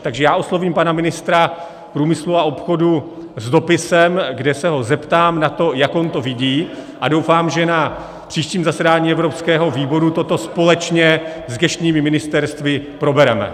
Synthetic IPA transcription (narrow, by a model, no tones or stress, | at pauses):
t̪aɡʒɛjaːʔo̞slo̞viːmpanamɪnɪst̪ɾa | pɾuːmɪsluao̞pxodu | zdo̞pɪsɛmɡdɛsɛɦo̞zɛpt̪aːmnat̪o̞jakont̪o̞vɪɟiːʔado̞wfaːmʒɛna | pr̝̥iːʃciːmzasɛdaːɲiːɛvɾo̞pskɛːɦo̞viːbo̞ɾut̪o̞t̪o̞spo̞lɛt͡ʃɲɛ | zɡɛʃt̪ɲiːmɪmɪnɪst̪ɛɾst̪vɪpɾo̞bɛɾɛmɛ̰